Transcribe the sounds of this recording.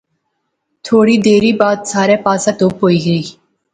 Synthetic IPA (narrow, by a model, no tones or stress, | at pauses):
t̪ʰoːɽiːd̪eːɾiːbaːd̪saːɾepaːsãt̪oːpɦoːiːɡəiː